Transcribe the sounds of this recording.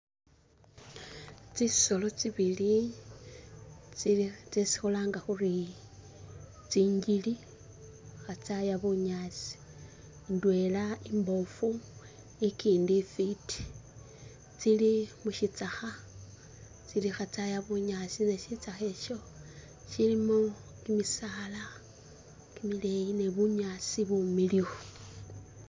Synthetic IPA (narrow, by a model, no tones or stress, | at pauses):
t͡siso̞lo̞t͡siβili | t͡sit͡sesi̥xolaːŋɡaxuri | t͡siːɲɟili | xat͡sajaβuɲat͡si̥ | ndwe̞laimbo̞fu | ekiːndifiti̥ | t͡silimuʃit͡saxa | t͡silixat͡sajaβuɲat͡sineʃit͡saxe̞ʃo̞ | ʃilimo | kimisala | kimile̞jine̞βuɲat͡siβumilixo